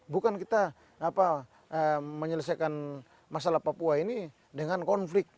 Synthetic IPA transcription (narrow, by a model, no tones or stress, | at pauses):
bukankit̪aː | pa | əməɲələs̬akan | masalahpapuaini | dɛŋankɔnflɪk̚t̪̚